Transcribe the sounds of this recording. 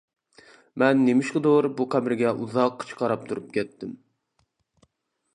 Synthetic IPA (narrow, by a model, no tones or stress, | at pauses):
mɛnːemɪʃqəd̪oɾbuqʰæbɾɡʲɛʔuzɑqːt͡ʃʰə̥qʰɑɾɑp̚t̪ʰuɾup̚kʲʰɛt̪ːɪm